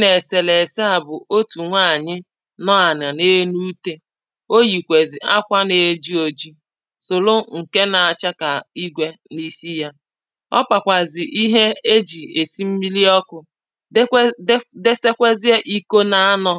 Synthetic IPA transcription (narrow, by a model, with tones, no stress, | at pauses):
ne˨se˨le˨se˦a˨bʊ˨o˦tu˨ŋʷa˦a˨ɲɪ˦ | nɔ˦a˨n˨a˨ne˦nu˦te˦ | o˦ji˨kʷe˨zɪ˨a˦kʷa˦ne˨˦d͡ʒi˦o˨d͡ʒi˦ | so˨lo˦ŋ̩˨ke˦na˨a˨t͡ʃa˦ka˨i˦ɡʷe˦ni˦si˦ja˦ | ɔ̰˦pa˨kʷa˨zɪ˨ʔi˦ɦe˦e˦d͡ʒi˨e˨si˦m̩˦mi˦li˦ɔ˦kʊ˨˦ | de˦se˦kʷe˦zi˦e˦ʔi˦ko˦na˦a˦nɔ˦